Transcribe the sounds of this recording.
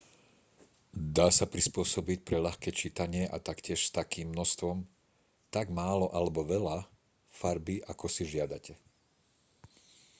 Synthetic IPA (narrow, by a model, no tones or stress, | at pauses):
d̪aːsapɾispʊɔsɔbic̚pɾɛʎaxkɛːt͡ʃiːt̪aɲɪɛʔa̰t̪akcɪɛʃst̪akiːmːnɔst̪ʋɔm | t̪aɡmaːlɔʔalɛbɔʋɛla | faɾbiʔakɔsiʒɪad̪acɛ